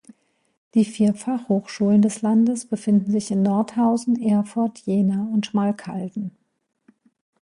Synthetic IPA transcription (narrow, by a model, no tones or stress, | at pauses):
d̥iːfiːɐfaχhoːxʃuːləndɛslandəsb̥əfɪndn̩zɪçɪnːɔɐthaʊzn̩ʔeːɐfʊɐtʰjeːnaʊntʃmaːlkʰa̰ldn̩